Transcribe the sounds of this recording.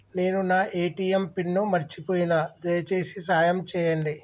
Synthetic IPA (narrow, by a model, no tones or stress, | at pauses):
ne̞ːnunaːʔeːʈiːempiɳːumɐɾt͡ʃipoːjinad̪ɐjɐt͡ʃe̞ːsisaːjɐmt͡ʃɛːjɐɳɖi